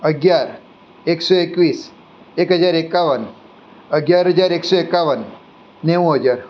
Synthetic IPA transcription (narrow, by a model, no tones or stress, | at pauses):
əɡjaɾ | eksɔekʋiːs | ekɦəd͡zaɾekaʋən | əɡjaɾɦəd͡zaɾeksɔekaʋənː | eʋoɦəd͡ʑaɾ